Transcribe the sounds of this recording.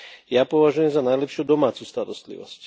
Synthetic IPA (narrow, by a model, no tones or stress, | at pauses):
japɔʋaʒujɛmzanajlɛpʃɪud̪ɔmaːt͡sust̪aɾɔst̪lḭʋɔ̰sc